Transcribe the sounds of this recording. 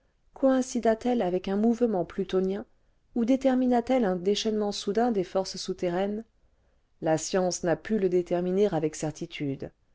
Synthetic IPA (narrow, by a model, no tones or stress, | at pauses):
kʰɔɛ̃sid̪at̪ɛlavɛkɛ̃muvmɑ̃plyt̪ɔnjɛ̃ | ud̪et̪ɛʁminat̪ɛlɛ̃d̪eʃɛnmɑ̃sud̪ɛ̃d̪efɔʁssut̪eʁɛn | lasjɑ̃snapyləd̪et̪ɛʁmineʁavɛksɛʁt̪ʰit̪ʰyd̪